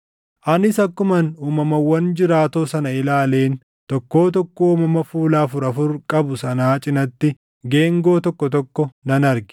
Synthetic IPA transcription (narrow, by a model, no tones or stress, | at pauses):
ʔɐnɪsɐkːʊmɐnuːmɐmɐwɐnd͡ʒɪɾaːt̪oːsɐnɐɪlaːle̞ːn | t̪ɔkːo̞ːt̪ɔkːoːmɐmɐfuːlaːfʊɾɐfʊɾkʼɐbʊsɐnaːt͡ʃʼɪnɐt̪ːɪ | ɡe̞ːŋɡo̞ːt̪ɔkːɔt̪ɔkːɔnɐnɐɾɡɪ̥